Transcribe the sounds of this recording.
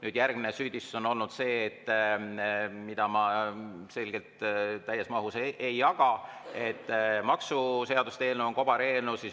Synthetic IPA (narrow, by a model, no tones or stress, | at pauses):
nyːd̪̥jærɡ̥minesyːd̪isso̞no̞lnud̪̥se̞ːt̪ːˑ | mid̪̥ɑmɑse̞lʲɡ̥e̞lt̪ːæjːesmɑɦuseʔejːɑɡ̥ɑe̞t̪ːˑmɑksuse̞ɑd̪̥ust̪e̞ːlnuonko̞b̥ɑɾe̞ːlnusis